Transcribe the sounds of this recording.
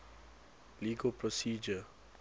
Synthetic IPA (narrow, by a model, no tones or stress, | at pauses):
liːɡopɾɔsiːd͡ʒə